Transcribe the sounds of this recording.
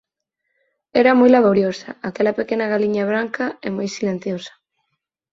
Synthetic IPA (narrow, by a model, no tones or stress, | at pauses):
ɛɾamojlaβoɾjosɐ̰akɛlɐpekenaɣaliɲaβ̞ɾaŋkaɛmojsilẽn̟θjosḁ